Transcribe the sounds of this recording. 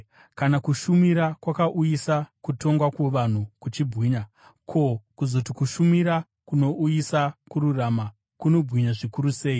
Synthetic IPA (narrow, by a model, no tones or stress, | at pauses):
kanakuʃumiɾakwakaʔujisakuto̞ŋɡwakweʋan̤ukut͡ʃibwiːɲa | kʰo̞kuzo̞tikuʃumiɾa | kuno̞ʔujisakuɾurama | kuno̞bwiɲaʐikuɾuse̞ːi